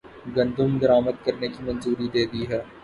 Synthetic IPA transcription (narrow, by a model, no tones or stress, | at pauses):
ɡɐ̃nd̪ʊmd̪ɐɾaːməd̪̚kɐɾnekimɐ̃nzuːɾid̪eːd̪iɦɛː